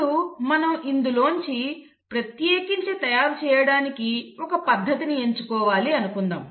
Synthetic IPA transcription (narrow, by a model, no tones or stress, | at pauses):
umɐnɐmind̪ulo̞ːɲt͡ʃi | pɾɐt̪jeːkiɲt͡ʃet̪ɐjaːɾut͡ʃɛːjɐɽaːnikiɔkɐpɐd̪ʱːɐt̪inie̞ɲt͡ʃukɔːʋaːliɐnukund̪a̰ːm